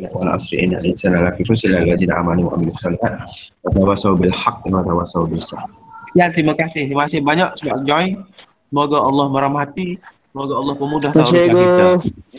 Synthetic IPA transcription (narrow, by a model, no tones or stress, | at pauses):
la̰ʔwa̰lʔa̰sɾḭʔḭnaisanalafifusilalad͡ʒinʕa̰maniwa̰ʔamilɪsɔlihat̪̚ | wat̪awasaubɪlħaq̚imat̪awasaubɪsah | jant̪ɾimakasɪht̪ɾimakasɪhbaɲaʔsəbakəd͡ʒai | səmoɡaɑlːɑhməɾamɦat̪isəmoɡaɑlːɑhpəmudah̪assaɡkit̪a